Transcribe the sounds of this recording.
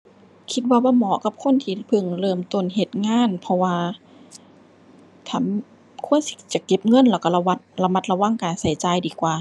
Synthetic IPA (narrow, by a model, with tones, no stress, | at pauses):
kʰi˧t̪̚waː˧waː˧˥˨mɔː˨˧˦ka˧˦p̚kʰo˧˥˨nt̪ʰiː˧pʰɯ˧˩ŋlɤː˧˩mt̪o˧˩˨nɦe˧˩t̪̚ŋaː˧˥˨npʰɔ˧waː˧ | t̪ʰa˧˩˨m | kʰu˧˥˨ənsi̥˧t͡ɕa˧˦ke˧˦p̚ŋɤ˧˥˨nlɛː˧˩ka˧˩la˧wa˧t̪̚la˧ma˧˦t̪̚la˧wa˧˥˨ŋkaː˨nsa˧˨˩jt͡ɕaː˨˦jdiː˨˩kwaː˨˧